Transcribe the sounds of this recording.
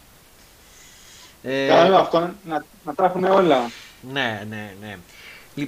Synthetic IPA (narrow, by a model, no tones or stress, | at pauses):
ekɐɐft̪onɐ | nɐt̪ɐxume̞o̞lɐneneneli